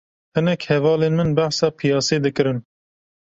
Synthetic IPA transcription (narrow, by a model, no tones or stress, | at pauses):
hɨnɛkhɛvɑːleːnmɨnbæħsɑːpʰijɑːseːd̪ɨkɨɾɨn